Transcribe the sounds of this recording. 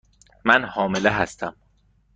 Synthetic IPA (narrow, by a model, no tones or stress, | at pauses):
mænhɒːmeleɦæst̪ʰæm